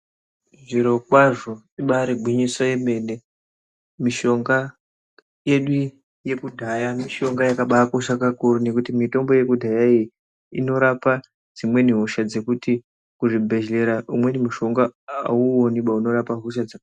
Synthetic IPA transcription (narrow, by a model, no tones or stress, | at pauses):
ʐiɾo̞kwaʐo̞ | iɓaɾeɡʱwiɲiswajeme̞ne̞ | miʃo̞ŋɡa | je̞ɗu | je̞kudʱajamiʃo̞ŋɡajakaɓakoʃakakurune̞kutimito̞mbo̞je̞kudʱajaij | ino̞ɾapa | d͡zimwe̞niɦoʃad͡ze̞kuti | kuʐibʱe̞ʒle̞ɾaumwe̞nimuʃo̞ŋɡaːuoniɓauno̞ɾapaɦuʃ̬ad͡za